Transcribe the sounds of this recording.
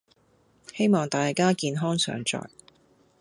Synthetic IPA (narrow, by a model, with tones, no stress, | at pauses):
he˥jmɔː˨ŋt̪aː˨jkaː˥kiː˨˧nɦɔː˥ŋsœ̰ː˨˥ŋt͡ʃɔ̰ː˨j